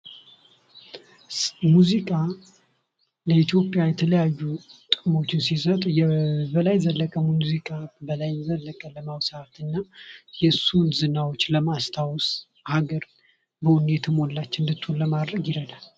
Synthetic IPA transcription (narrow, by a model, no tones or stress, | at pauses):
muzikʼa | ləit̪ʰjo̞pʼjajɛt̪ʰələjajːut̪ʼɨmo̞t͡ʃːɪnsisət̪ʼjɛbəlajzəlːəkʼəmmuzikʼabəlajzəlːəkʼələmawsəat̪ɨnːajɛsunzɨnawo̞t͡ʃːləmast̪ʰaws | haɡəɾ | bəwʊnɛt̪ʰɨmolːat͡ʃːɨnd̪ɨt̪ʰːulləmad̪ɾəɡjɪɾəd̪al